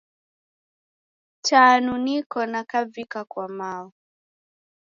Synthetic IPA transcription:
taːnunikɔnakavikakwamaɔ

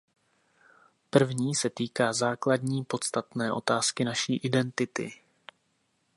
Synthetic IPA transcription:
pr̩vɲiːsɛt̪iːkaːzaːkladɲiːpo̞t̪st̪at̪nɛːʔo̞̰t̪aːskɪnaʃiːʔɪdɛnt̪ɪt̪ɪ̰

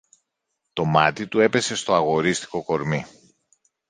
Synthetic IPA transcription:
t̪o̞mɐt̪it̪ue̞pe̞se̞st̪o̞ɐɣo̞ɾist̪i̥ko̞ko̞ɾmi

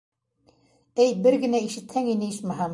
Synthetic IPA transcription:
æjbɘɾɡɘ̆næiʃɘ̆t̪hæŋinɘiʃmæɦɑm

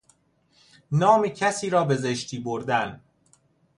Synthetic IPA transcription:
nɒːmicʰæsiːɾɒːbe̞zeʃt̪ʰiːboɾd̪æn

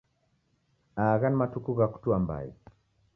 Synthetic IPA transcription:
aːɣanmatukuɣaku̥tuamba̰ḭ

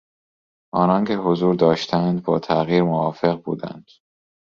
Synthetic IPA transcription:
ʔɒːnɒːncʰe̞hozuːɾd̪ɒːʃt̪ʰænd̪bɒːt̪ʰæɣiːɾmovɒːfe̞ɣbuːd̪æ̰nd̪̥

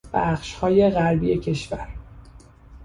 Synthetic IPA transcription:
b̥æχʃhɒːje̞ɣæɾbiːjecʰe̞ʃvæɾ

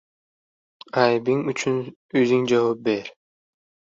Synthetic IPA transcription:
ajbiŋyt͡ʃʰyn | øziŋd͡ʒawop̚beɾ

